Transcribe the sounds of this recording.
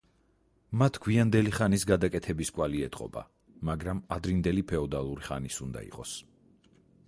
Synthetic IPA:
mat̪ʰɡ̥ʰwiand̪ɛliχanisɡad̪akʼɛt̪ʰɛbiskʼwaliɛt̪ʼqʼɔ̰ba̰ | maɡɾamad̪ɾind̪ɛlipʰɛɔd̪alˠuɾiχa̰nisund̪a̰ḭqʼɔs

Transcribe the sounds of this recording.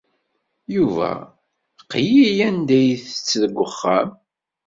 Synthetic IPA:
juvæ̰ | qjijænd̪æjθə̥t͡sːðəɡʷːəχːæm

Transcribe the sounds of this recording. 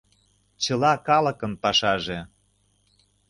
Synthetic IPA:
t͡ɕə̆lɑkɑlə̆kə̆npɑʃɑʒe

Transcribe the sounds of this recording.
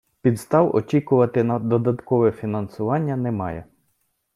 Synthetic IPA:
pʲid̪st̪ɑwɔt͡ʃʲikʊʋɐt̪ɪnɐd̪ɔd̪ɐt̪kɔʋɛfʲinɐnsʊʋɑnʲːɐnɛmɑjɛ

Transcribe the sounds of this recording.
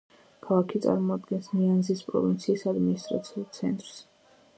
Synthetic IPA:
kʰalˠakʰit̪sʼa̰ɾmɔad̪ɡɛnsnianzispʼɾɔ̰vint̪sʰiːsad̪minist̪ʼɾa̰t̪sʰiulˠt̪sʰɛ̰nt̪ʼɾs

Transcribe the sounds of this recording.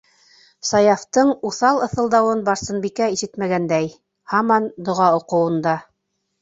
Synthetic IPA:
sɑjɑft̪ɤɴuθɑlˠɤ̆θɤ̆lˠd̪ɑwɤnbɑɾsɤ̆nbikæiʃɘt̪mæɡænd̪æj | hɑmɑnd̪ŏʁɑŏqɤ̆wɤ̆nd̪ɑ

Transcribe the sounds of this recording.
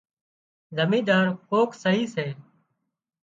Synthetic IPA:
zəmĩːd̪aːɾkoːksəɦiːseː

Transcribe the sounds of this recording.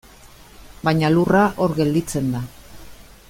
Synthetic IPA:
baɲaluraʔo̞ɾɣe̞ld̪it͡se̞nd̪a

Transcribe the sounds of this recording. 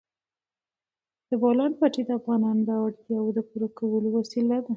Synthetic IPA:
d̪̥əbɑlɑnpaʈed̪əafɣɑnɑnd̪awaɽd̪iawd̪əpuɾakawəlowasilad̪a

